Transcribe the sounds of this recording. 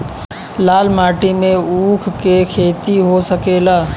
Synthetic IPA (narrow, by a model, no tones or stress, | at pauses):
laːlmaːʈimẽuːkʰkekʰeːt̪iɦosəkeːlaː